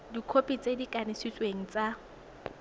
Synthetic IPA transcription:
dikʰopʼit͡sʼedikʼanɪsit͡sʼweŋ̩t͡sʼa

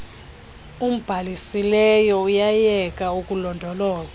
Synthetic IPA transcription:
um̩b̥ʱalisilɛjɔujajɛk̬ʼaukʼulɔndʱɔlɔːza

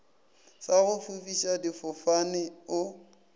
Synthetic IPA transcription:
saɣʊfufiʃadifʊfanɪʊ

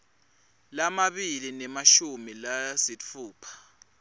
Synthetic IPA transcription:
lamaɓilinɛmaʃumilasit͡fʰuːpʰḁ

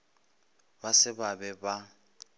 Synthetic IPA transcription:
basɪbabɛba

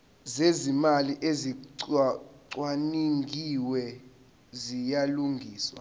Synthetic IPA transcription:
zezimaliʔeziǀǀwaniŋɡʱiwɛ | zijaluŋɡʱiːswa̰

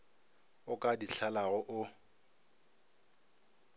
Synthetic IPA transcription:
ʊkʼadiɬʰalaɣʊʔʊ

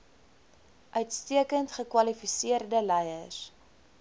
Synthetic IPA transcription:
ʔœɥtstiəkəntχəkwɐlifisiərdəlɛjəs

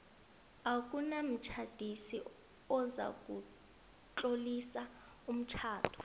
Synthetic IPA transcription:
ak̬ʼunam̩t͡ʃʰad̥ʱisi | ɔza̰k̬ʼu | t͡ɬʼolisa | um̩t͡ʃʰaːtʰɔ̥

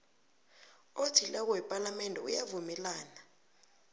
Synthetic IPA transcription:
otʰilɛk̬ɔɛpʼalamɛndʱɛṵjavumɛlaːna

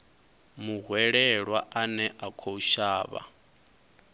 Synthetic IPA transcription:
muɦwɛɺɛɺwaʔanɛʔakʰouʃaːβa̰

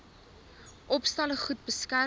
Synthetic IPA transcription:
ʔɔpstɐləχut̚bəskær

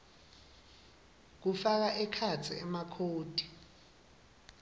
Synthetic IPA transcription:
k̬ufak̬aʔɛkʰat͡sʰḭɛmakʰoːd̥ʱi

